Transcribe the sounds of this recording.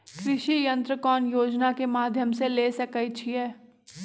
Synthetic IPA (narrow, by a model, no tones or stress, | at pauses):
kɾɪʃijɐ̃nt̪ɾəkɔːnjoːd͡ʒnakemaːd̪ʱjəmseleːsɐkəit͡ʃʰiɛː